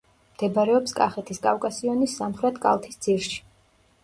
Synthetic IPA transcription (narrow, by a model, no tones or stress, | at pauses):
md̪̥ɛbaɾɛɔpskʼaχɛt̪ʰiskʼafkʼasiɔnisːamχɾɛt̪ʰkʼa̰lˠt̪ʰisd̪z̥iɾʃi̥